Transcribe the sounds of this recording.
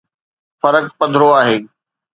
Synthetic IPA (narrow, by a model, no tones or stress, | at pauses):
fɐɾəkpɐ̃d̪ʱɾoaːɦeː